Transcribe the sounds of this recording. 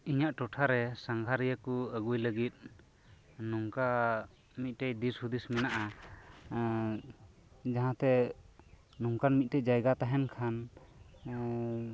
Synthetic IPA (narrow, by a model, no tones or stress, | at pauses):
iɲaʔʈɔʈʰaɾɛsaŋɡʱaɾijəkuəɡujləɡit̪̚ | nuŋka | mit̪̚ʈɛjd̪ishud̪ismɛnaʔa | d͡ʒaɦãt̪ɛ | nuŋkanmit̪̚ʈɛd͡ʒajɡat̪aɦɛnkʰan